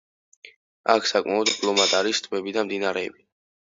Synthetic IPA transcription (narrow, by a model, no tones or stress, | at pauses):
a̰kʰsakʼmaɔd̪pʼlɔmat̪ʼaɾist̪ʼʰmɛbid̪amd̪inaɾɛːbi